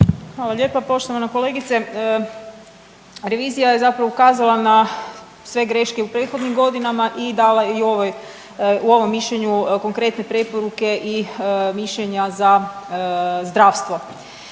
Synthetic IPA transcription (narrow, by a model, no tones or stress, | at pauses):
xʋaːlˠaʎʲe̞papo̞ʃt̪o̞ʋanako̞le̞ːɡit̪se | ɾe̞ʋiːzijaje̞zapɾaʋoukaːzalˠana | sʋe̞ɡɾe̞ʃke̞upɾeːt̪xo̞d̪nimɡo̞d̪inamaʔid̪alajeio̞ʋoj | uo̞ʋo̞mːiʃʎeɲuko̞ŋkɾe̞t̪ne̞pɾe̞po̞ɾuke̞ʔimiʃʎeɲaza | zd̪ɾaːʋst̪ʋo̞